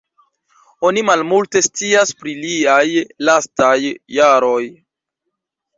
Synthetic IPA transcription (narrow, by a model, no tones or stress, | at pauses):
o̞nimalmulte̞st͡siaspɾiliajlastajːaɾo̞j